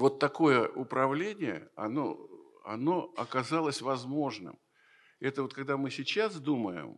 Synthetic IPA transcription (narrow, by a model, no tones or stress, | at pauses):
vo̞t̪ːɐko̞jəʔʊpɾɐvlʲenʲɪjə̰ɐ̰no̰ | ɐ̰no̞ɐkɐzalˠəsʲvɐzmo̞ʐnɨ̰m | ɛt̪əvokɐɡ̚d̪amɨsʲɪt͡ɕas̬d̪uməjɪ̰m